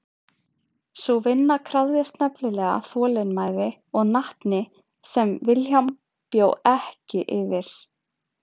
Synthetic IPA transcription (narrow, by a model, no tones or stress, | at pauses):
suvɪnːakʰɾaððjast̪nɛplɪlɛːɣa̰θɔːlɪnmaːjðɪ | ɔɣnaht̪nɪ | sɛmvɪlçam | pjoːwɛhcɪʔɪvɪɾ̥